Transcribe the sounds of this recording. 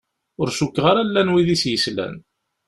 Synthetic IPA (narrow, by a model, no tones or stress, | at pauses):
ʊɾsukːʁaɾælːænwiðisjəslæ̰n